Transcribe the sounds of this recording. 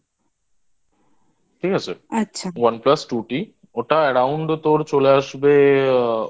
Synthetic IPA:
ʈʰikat͡ɕʰeatːɕʰawanplasʈuʈi | oʈaɛɽawɳɖt̪oɾt͡ɕoleaʃbe

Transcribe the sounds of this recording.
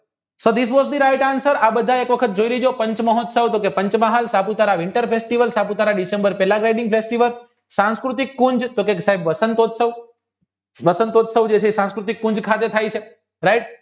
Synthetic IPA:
sod̪is̬bosd̪iɾajʈansəɾabəd̪ʱaekʋəkʰət̪̚d͡ʒoiɾid͡ʒopəɲt͡ʃməɦot̪səʋt̪okepəɲt͡ʃmaɦalsaput̪aɾaʋɪɳʈəɾpʰesʈiʋəlsaput̪aɾaɖɪsẽmbəɾpɛlaɡɾajɖɪ̃ŋɡpʰesʈiʋəl | sãnskɾut̪̬ikːʊɲd͡ʒt̪okeksaɦebʋəsənt̪ot̪səʋ | ʋəsənt̪ot̪səʋd͡ʒet͡ʃʰesãnskɾut̪ikːʊ̃ɲd͡ʒkʰat̪et̪ʰajt͡ʃʰe | ɾajʈ̚

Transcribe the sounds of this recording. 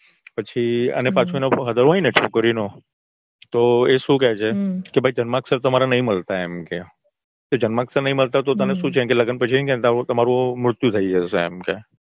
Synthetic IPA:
pət͡ʃʰiə̰nepãt͡ʃʰminapɦəd̪əɾainet͡ʃʰukːəɾinõ | t̪oeʃũkɛt͡ʃʰekebʱaid͡ʒənmaːksəɾt̪əmaɾanəɦĩməlt̪aemke | t̪od͡ʒənmãːksəɾnəɦĩməlt̪at̪ot̪əneʃũt͡ʃʰeemkeləɡənpət͡ʃʰiemket̪t̪əmaɾũmɾʊt̪jut̪ʰaid͡ʒaseːmke

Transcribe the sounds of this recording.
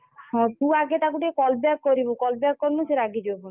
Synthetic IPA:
hɔ̃d̪uaɡet̪akuʈiekɔlbakːoɾibukɔlbakːoɾmuseɾaɡid͡ʒojbu

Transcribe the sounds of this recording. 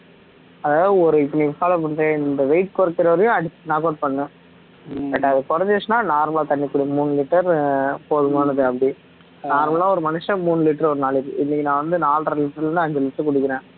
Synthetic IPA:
ɐðaːɐðɯɔɾɯɪpːɐnisaːlɐpɐɳɾẽɪnd̪ɐʋɛɪʈ̚kɔɾɐkːɪɾɐʋɐɾjʊ̃ɐɽɪːnaːkoːʈ̚pɐɳːɯ̃ | bɐʈːɐðɯkɔɾɐɲd͡ʒet͡ʃːnãːnaːɾmɐlaːt̪ɐɳːikːʊɽɪmuːnːɯlɪʈːɐɾpoːðɯmaːɳɐðɯɐpːɐɽi | naːɾmɐɭãːɔɾɯmɐnɯʂɐ̃muːnɯlɪʈːɐɾɔɾɯnaːlɪɾkɯʔɪnːɪkʲːɪnãːʋɐnd̪ɯnaːlɾɐlɪʈːɐɾlɾɐnd̪ɯɐɲd͡ʒɐlɪʈːɐkʊɽɯkːɪɾẽː

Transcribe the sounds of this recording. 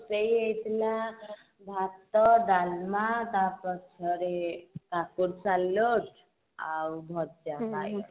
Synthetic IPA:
səjəjt̪ʰla | bʱat̪ːəɖalmat̪apət͡ʃʰəɾek̪akuɾsaloʈ | a̰wbʱɔt̪̚d͡ʒaɦaj

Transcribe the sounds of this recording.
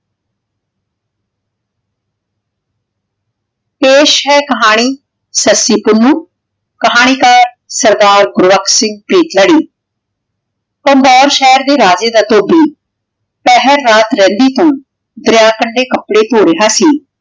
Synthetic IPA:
peːʃɦɛːkəɦaːɽ̃iː | səsiːpʊnːuː | kəɦaːɽ̃iːkaːɾ | səɾd̪aːɾɡʊɾʋəksɪŋɡ̚pɾiːt̪ləɽiː | pəmbɔːɾʃɛːɾd̪eːɾaːd͡ʒeːd̪aːt̪oːbiː | pɛɦəɾːaːt̪ɾɛ̃ːnd̪iːt̪õː | d̪ɾɪjaːkəɳɖeːkəpɽeːt̪oːɾeɦaːsiː

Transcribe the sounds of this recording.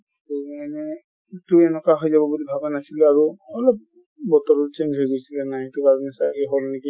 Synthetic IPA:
tuanɛ | tuɛnɛkaɦɔjzabɔbudibʱabɛnasilɛaɹuɔlɔp̚ | bɔtɔɹɔt͡ʃend͡ʒɦojɡojsilɛnaetukaznɛsakɛɦɔlnek̬i

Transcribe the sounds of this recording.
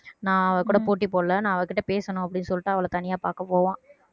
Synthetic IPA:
nãːɐʋɐkuːɽɐpoːʈːipoːɽɐlɐnãːɐʋɐkːɪʈːɐpeːsɐnʊ̃ɐp̬ːɐɽɪnːɯsɔlːɪʈːaːɐʋɐlɐt̪ɐnɪjaːpa̰ːɾkɐpoːʋãː

